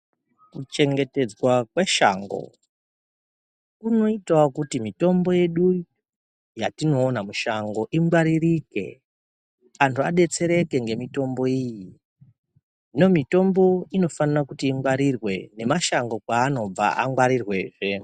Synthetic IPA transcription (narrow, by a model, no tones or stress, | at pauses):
kut͡ʃe̞ŋɡe̞ted͡zwakweʃa̰ːŋɡo̞̰ | kuno̞itakutimito̞mbo̞je̞ɗu | jatino̞ːnamuʃaŋɡoʔiŋɡwaɾirike̞̰ | antʰuaɗe̞t͡se̞ɾe̞ke̞ŋɡe̞mito̞mbo̞iji | ino̞mito̞mbo̞ino̞fanirakutiːŋɡwaɾirwe̞ne̞maʃaŋɡo̞kwaːno̞b͡va̰ʔa̰ŋɡwaɾirwe̞ːʐe̞